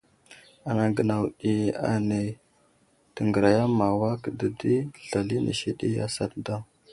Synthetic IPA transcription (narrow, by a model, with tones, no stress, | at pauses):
a˨na˨ɡə˨na˨wɗi˨a̰˨ne˨ | tə˨ŋɡə˨ɾa˨ja˦ma˨wa˦kə˨də˨di˦ɬa˨li˦nʔḭ˨ʃi˦ɗḭ˦ja̰˦sa˨tda˦